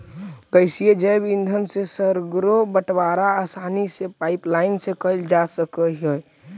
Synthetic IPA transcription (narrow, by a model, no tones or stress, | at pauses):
kəɪsijed͡ʒəbind̪ʱənsesəɾɡɾobəʈʋaɾaːsanisepaiplaɪnsekəɪld͡ʒasəkəɦəj